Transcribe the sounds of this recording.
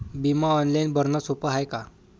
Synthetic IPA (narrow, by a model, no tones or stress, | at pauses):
bimaɔnlainbʱəɾnasopəɦajka